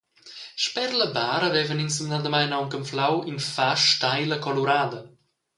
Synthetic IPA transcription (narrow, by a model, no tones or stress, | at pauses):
ʃpɛɾləbaːɾəvɛvəninsəmnad̪əmajnawŋkəmflawinfaʃtajləkɔluɾaːd̪ə